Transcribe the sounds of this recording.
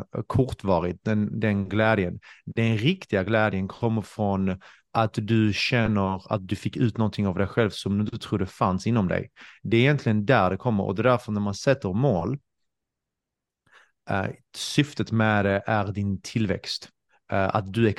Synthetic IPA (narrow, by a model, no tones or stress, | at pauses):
kʰɔɾʈ̪vɑːɾɪt̪̚d̪ɛnd̪ɛnɡlɛːd̪jənd̪ɛnɾɪkt̪ɪɡaɡlɛːd̪jənkʰɔmːəɾfɾɔn | ʔat̪d̪ɵɕɛnːəɾa̰t̪̚d̪ɵfɪkːʉ̟ːt̪nɔnt̪ʰɪŋavd̪ɛjɧɛlvsɔmd̪ɵd̪t̪ət̪ʰɾuːɖ̪ɛfansɪnːɔmd̪ɛ̰jd̪ɛːɾɪjɛnt̪ʰlɪɡənd̪æɾɖ̪ɛkʰɔmːə̰ɾɔ̰d̪ɛd̪æɾfəɾnæɾmansɛt̪ːəɾmoːl | sʏft̪ət̪mɛd̪ɛʔæɾd̪ɪnt̪ʰɪlːvɛ̰kst̪ | a̰t̪̚d̪ɵɛ